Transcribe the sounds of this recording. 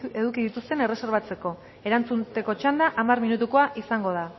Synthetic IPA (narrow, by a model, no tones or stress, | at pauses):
e̞ðukiðit̪ust̪e̞ne̞re̞se̞ɾβat͡se̞ko̞ | e̞ɾant͡sunt̪e̞ko̞t͡ʃand̪aʔamarminut̪uko̞aʔisaŋɡo̞ð̞a